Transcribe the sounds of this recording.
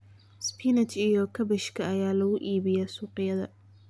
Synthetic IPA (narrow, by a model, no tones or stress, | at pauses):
spʰinɐt͡ʃijɔkʰɐbɛʃkʰɐɐjaːlɐɣʊʔiːβɪjɛsuːqɪjɐðɐ̰